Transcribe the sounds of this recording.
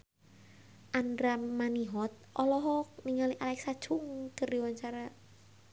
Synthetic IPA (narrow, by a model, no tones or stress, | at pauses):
ʔandɾamːaniɦɔt̪̚ʔɔlɔɦɔkniŋaliʔalɛksad̥ʒ̥ʊŋkərdiwaɲt͡ʃaɾa